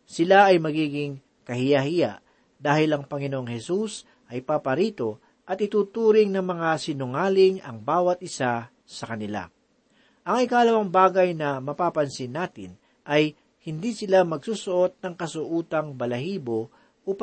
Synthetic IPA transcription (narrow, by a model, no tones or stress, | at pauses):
sɪlaʔɐjmɐɡiːɡɪŋ | kɐhɪjahɪjaʔ | d̪aːhɪlɐŋpɐŋɪnoʔoŋhɛsus | ʔɐjpapɐɾiːt̪o̞ | ʔɐt̪̚ɪt̪uːt̪uːɾɪŋnɐŋmɐŋasɪnʊŋaːlɪŋɐŋbaːwɐt̪̚ʔɪsa | sɐkɐnɪla̰ | ʔɐŋɪkaʔɐlɐwɐŋbaːɡɐjnɐmɐpapɐnsɪnːaːt̪ɪ̰n | ʔɐj | hɪnd̪isɪlamɐɡsuːsʊʔo̞t̪̚nɐŋkɐsʊʔuːt̪ɐŋbɐlɐɦiːbo | ʔup